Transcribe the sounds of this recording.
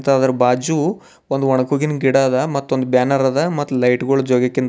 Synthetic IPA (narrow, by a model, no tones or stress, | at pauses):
t̪aːd̪ɐɾɐbaːd͡ʒu | ond̪uʋɔɳɐkuɡinɡiɽaːd̪ɐmɐt̪ːuond̪ubjaːnɐɾad̪ɐmɐt̪ːulɐjʈɡoːɭud͡ʒoːɡɐkːint̪